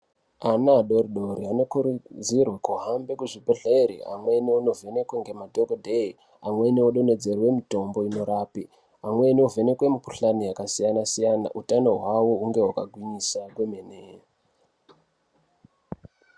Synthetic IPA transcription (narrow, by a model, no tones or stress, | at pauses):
anaɗo̞riɗo̞ɾiano̞kuɾud͡zirwakuɦambekuʐibʱeɮeɾḭa̰mwe̞niono̞ve̞ne̞kweŋɡe̞madʱokodʱei | amwe̞nioɗo̞ne̞d͡ze̞rwe̞mito̞mbo̞ino̞ɾaːpi | amweniove̞ne̞kwe̞mipuɬanijakasijanasijana̰ʔutano̞ɦwawo̞uŋɡe̞wakaɡʱwiɲisakwemene